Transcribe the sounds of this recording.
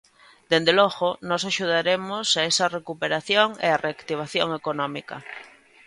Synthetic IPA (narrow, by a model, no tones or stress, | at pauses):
d̪̥end̪eloɣonɔsaʃuð̞aɾemosaesarekupeɾaθjoŋḛareakt̪iβ̞aθjoŋekonɔmika̰